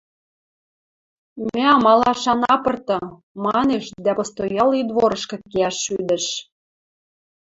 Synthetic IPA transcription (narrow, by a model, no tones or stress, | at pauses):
mæɑmɑlɑʃɑnɑpɤ̆rt̪ɤ̆ | mɑneʃd̪æpŏst̪ojɑlid̪βoɾɤ̆ʃkɤ̆keæʃːyd̪ə̆ʃ